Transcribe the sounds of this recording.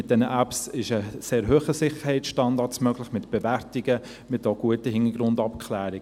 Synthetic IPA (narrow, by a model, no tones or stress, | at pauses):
ɪt̚d̥ɛnəʔæpsɪʃəseːɾɦøːχəsɪχəɾhɛɪtt͡sʃtɑndɑtsmœɡlɪχmɪtb̥ɛværtɪɡə | mɪtoɡ̥uətəɦɪnəɡɾʊndɑpkʰlæːɾɪɡ